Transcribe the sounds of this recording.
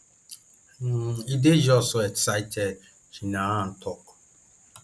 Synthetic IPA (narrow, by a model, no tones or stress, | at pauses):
ided͡ʒɔsʊɛksaɪtʰɛd | hinãn̩tʰɔk